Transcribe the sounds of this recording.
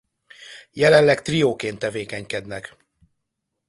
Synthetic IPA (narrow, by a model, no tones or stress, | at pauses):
jɛlɛnlɛkt̪rijoːkeːnt̪ːɛveːkɛɲkɛd̪nɛk